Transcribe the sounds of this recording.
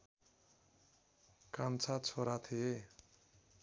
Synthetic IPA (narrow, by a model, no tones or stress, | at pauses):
kant͡sʰat͡sʰoɾat̪ʰie